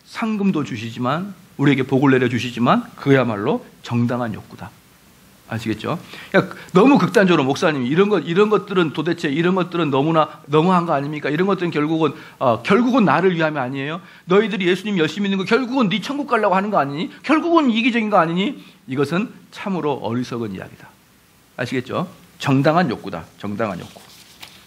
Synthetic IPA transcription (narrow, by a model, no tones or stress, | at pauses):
sʰaŋɡɯmdot͡ɕuɕʰid͡ʑiman | uɾie̞ɡe̞poɡuɭːe̞ɾjʌt͡ɕuɕ̬ʰid͡ʑimankɯama̰ɭːot͡ɕʌŋdaŋɦanjo̰k͈̚ud̥a | a̰ɭɕʰiɡe̞t̚t͡ɕ͈o̰kanʌmukɯk̚t͈and͡ʑʌɾomoks͈aɲimiːɾʌnɡʌdiɾʌnɡʌt̚t͈ɯɾɯntode̞t͡ɕʰe̞iɾʌnɡʌt̚t͈ɯɾɯnːʌmunanʌmuɦanɡʌaɲimɲik͈aiɾʌnɡʌt͈ɯɾɯnkjʌɭɡuɡɯn | ʌkjʌɭɡuɡɯnːaɾɯɭɥiɦamjʌnaɲie̞jo | nʌidɯɾije̞sʰuɲimijʌɭɕ͈iminːɯnɡʌkjʌɭɡuɡɯnːit͡ɕʰʌnɡuk͈aɭːaɡohanɯnɡʌaɲiɲikjʌɭɡuɡɯniɡid͡ʑʌɡinɡʌaɲiɲiiɡʌsʰɯnt͡ɕʰamɯɾoʔʌ̰ɾisʰʌɡɯnḭja̰ɡidḁ | a̰ɭɕʰiɡe̞t̚t͡ɕ͈o | t͡ɕʌŋdaŋɦanjo̰k͈uda̰t͡ɕʌŋdaŋɦa̰njo̰k͈u̥